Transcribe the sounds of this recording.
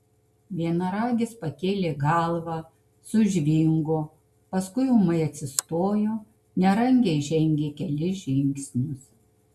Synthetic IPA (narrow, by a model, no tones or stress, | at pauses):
ʋʲiɛnɐɾɑːɡʲɪspɐkʲeːlʲeːɡɑlˠʋɑ | sʊʒʲʋʲɪŋɡoː | pɐskʊɪʊmɐɪɐt̪ʲsʲɪst̪oːjoː | nʲɛɾɐŋʲɡʲɛɪʒʲɛŋʲɡʲeːkʲɛlʲɪʒʲɪŋʲksʲnʲʊs